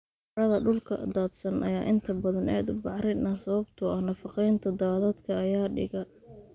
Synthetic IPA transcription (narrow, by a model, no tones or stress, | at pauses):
ɾɐðɐɖʊlkʰɐ̰d̪aːd̪sɐnʔɐ̰ja̰ːʔɪnt̪ʰɐbɐðɐnɛ̰ːd̪ʊbɑʕɾɪnɐsɐβɐbt̪ʰʊɐhnɐfɑqɛjnt̪ʰɐd̪aːðɐd̪kʰɐːjaːɖɪ̰ɣɐ